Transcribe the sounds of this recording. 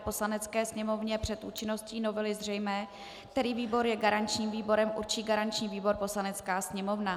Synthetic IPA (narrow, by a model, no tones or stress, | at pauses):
po̞slanɛt͡skɛːsɲɛmo̞vɲɛpr̝̥ɛt̪ʔuːt͡ʃɪno̞sciːno̞vɛlɪzrɛjmɛː | t̪ɛɾiːviːbo̞ɾjɛɡaɾaɲt͡ʃɲiːmviːbo̞ɾɛmʔuɾt͡ʃiːɡaɾant͡ʃɲiːviːbo̞ɾpo̞slanɛt͡skaːsɲɛmo̞vna